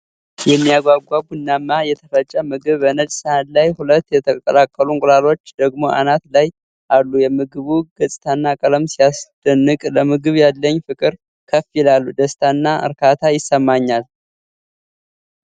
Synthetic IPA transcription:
jɛmːijaɡʷaɡʷaɡunːamːajɛt̪ʰəfət͡ʃʼːəmɨɡɨβbənəd͡ʒʼsəhat̪lajhulət̪ːjɛt̪ʰəkʼkʼəlakʼːəluŋkʼlalo̞t͡ʃːd̪əɡmo̞ʔa̰nat̪laj | ʔalːujɛmɨɡɨβuɡ̥əsʼt̪ʰanːakʼələmsijasd̪̥ənːɨkʼləmɨɡɨβjalːəɲːfɨkʼɨɾ | kʰəfilalːud̪əst̪ʰanːaɨ̰ɾkʰat̪ʰajɪsːəmːaɲːal

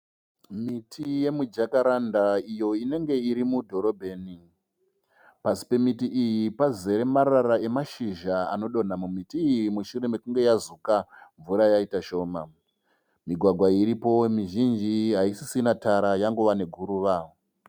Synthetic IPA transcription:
mitʰije̞mud͡ʒakaɾandaijo̞ine̞ŋɡe̞iɾimudʱo̞ɾo̞bʱe̞ːni | pasi̥pe̞mitiʔijipaze̞ɾemaɾarae̞maʃiʒaa̰no̞ɗo̞n̤amumitiːjimuʃuɾe̞me̞kuŋɡe̞jazukaɱvuɾajaitaʃo̞ːma | miɡʱwaɡʱwaiɾipo̞miʒind͡ʒiɦaisisinataɾajaŋɡoʋane̞ɡʱuɾuːʋao

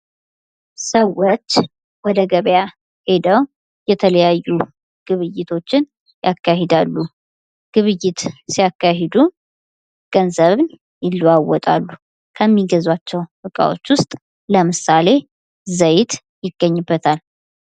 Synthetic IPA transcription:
səwot͡ʃː | wɔd̪əɡəβja | he̞d̪əw | jɛt̪ʰələjajːu | ɡ̥ɨβɨjːɪt̪ʰo̞t͡ʃːɪn | jakːaɦed̪alːu | ɡ̥ɨβɨjːɪt̪sijakːahed̪u | ɡ̥ənzəβɨn | jɪlːwawːɔt̪ʼa̰lːu | kʰəmːiɡəzwat͡ʃːɛwbɨkʼa̰wo̞̰t͡ʃːwʊst̪ʼ | ləmɨsale̞ | zəjɪt̪ | jɪɡːəɲːɨbːət̪ʰal

